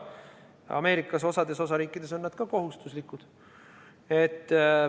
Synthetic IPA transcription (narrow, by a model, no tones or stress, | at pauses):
ɑ̰me̞ːɾikːˑɑso̞sɑd̪̥e̞so̞sɑɾiːkːˑid̪̥e̞so̞nːæd̪̥kɑko̞ɦust̪uslikːud̪̥ | et̪ː